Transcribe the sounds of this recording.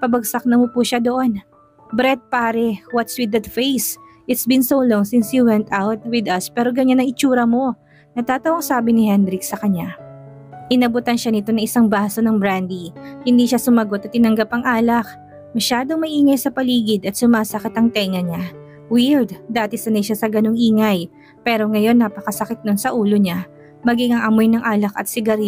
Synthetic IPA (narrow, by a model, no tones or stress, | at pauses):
pɐbɐɡ̚sɐk̚nɐmopuʃad̪oʔo̞n | bɾɛt̪̚paːɾɛwɐt̪swɪd̪ɐt̪fejs | ʔɪt̪sbɪnsowloŋsɪnshiwɛnt̪awt̪̚wɪd̪ɐspɛːɾo̞ɡɐɲanɐŋɪt͡ʃuːɾɐmo̞ | nɐt̪aːt̪ɐʔoŋsaːbɪnɪhɛnɾɪksɐkɐɲa | ʔɪnɐbʊt̪ɐnʃanɪt̪o̞nɐŋʔɪsaŋbaːso̞nɐŋbɾand̪ihɪnd̪iːʃasʊmɐɡo̞t̪ɐt̪ːɪnɐŋɡɐpɐŋʔaːlɐk̚ | mɐʃaːd̪o̞ŋmɐʔiːŋɐjsɐpɐliːɡɪd̪ɐt̪̚sʊmaːsɐkɪt̪ɐŋt̪ɛŋɐɲa | wiɹd̪̚d̪aːt̪ɛsɐnɐjʃasɐɡɐno̞ŋʔiːŋɐj | pɛːɾo̞ŋɐjo̞nːapɐkɐsɐkɪt̪̚nonsɐʔuːlo̞ɲa | mɐɡiŋɐŋʔɐmo̞jnɐŋʔaːlɐkɐ̰t̪̚sɪɡɐɾ